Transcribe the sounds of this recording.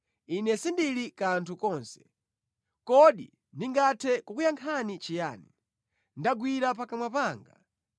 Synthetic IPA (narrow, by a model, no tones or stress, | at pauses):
inɛsindilikantʰukɔːnsɛ̥ | kɔɗḭ | ndiŋɡatʰɛkukujaŋkʰanit͡ʃija̰ːni | ndaɡwiɾapakamwapaːŋɡa